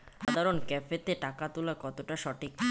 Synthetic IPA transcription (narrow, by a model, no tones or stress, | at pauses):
ʃad̪ʱaɾonkɛfet̪eʈakat̪ulakɔt̪oʈaʃɔʈʰik